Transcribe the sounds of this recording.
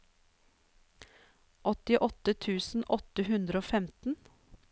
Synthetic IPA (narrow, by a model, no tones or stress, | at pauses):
ʔɔt̪ɪʔɔt̪ət̪ʰʉːsn̩ʔɔt̪əhʉnd̪ɾəoːfɛmt̪n̩